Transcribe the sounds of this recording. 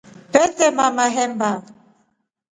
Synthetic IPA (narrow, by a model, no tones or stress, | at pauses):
pɛtɛmamaɦɛmba